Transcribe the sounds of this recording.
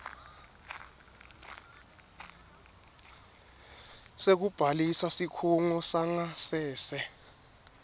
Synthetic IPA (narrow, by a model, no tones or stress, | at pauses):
sek̬ub̥ʱalisasikʰuŋɔsaŋasɛːsɛ